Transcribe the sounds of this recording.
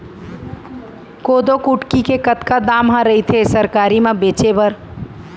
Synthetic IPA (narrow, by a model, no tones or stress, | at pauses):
kod̪okuʈkikekət̪kad̪amɦə̃ɾəɦit̪ʰesəɾkaɾimẽbet͡ʃebəɾ